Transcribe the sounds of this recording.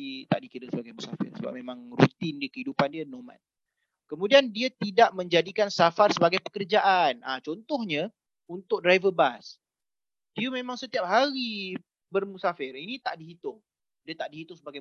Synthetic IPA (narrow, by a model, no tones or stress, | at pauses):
t̪a̰ʔdikiɾəsəbaɡajmusa̰fɪ̰rsəba̰p̚memãŋrṵt̪ɪndəkəɦidupandiənomã̰n | kəmũdiandiat̪idaʔmə̃ɲd͡ʒadikansafarsəbaɡajpəkərd͡ʒaʔanat͡ʃɔnt̪ɔhɲə̃ | unt̪ʊk̚dɾajvəbas | diəmẽmãŋsət̪iap̚ɦaɾi | bərmusafɪrinĩt̪aʔdiɦit̪ʊŋ | diat̪aʔdiɦit̪ʊŋsəbaɡa